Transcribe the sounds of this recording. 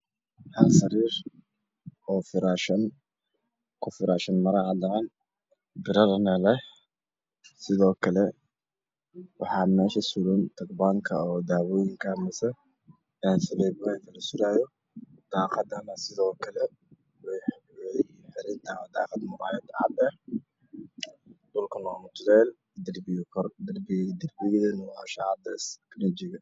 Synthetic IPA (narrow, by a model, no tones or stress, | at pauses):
hɐsɐɾiːɾ | ɔːfɪɾaːʃɐn | kʰʊfɪɾaːʃɐnmɐɾaʕlɐʕɐn | bɪɾɐɾnɐlɛ | sɪðɔːkʰɐlɛ | wɑħɑːmɛːʃɐsʊlʊnt̪ʰɐkbaːŋkʰɐɔd̪aːwojɪŋkʰɐmɐsɛ | nsɐβɛjbʊɛŋkʰɐlɐsʊɾaːjɔ | d̪̥ɑːqɑd̪ɐnɐsɪðɔːkʰɐlɛ | wɛjw | ħɪɾɪnt̪ʰaːwd̪ɑ̰ːqɑd̪mʊɾa̰ːjɛd̪ʕɑ̰d̪ɐ | d̪ʊlkʰɐnɔːmɐt̪ʰʊd̪ɛːl | d̪ɐrbɪjkʰɔrd̪ɐrbd̪ɐrbɪɣɪðɐnʊwaʃaʕɑd̪ɐsknɔd͡ʒɪɣɐ